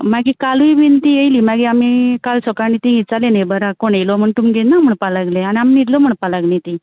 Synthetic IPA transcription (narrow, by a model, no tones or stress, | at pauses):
maɡikaluiʋint̪iəjliːmaɡiamikalsɔkanit̪ĩit͡salenejbʱəɾakoɽ̃ejlɔm̤əɳt̪umɡʱenam̤əɳpalaɡleañiamniɽlɔm̤əɳpalaɡnẽt̪i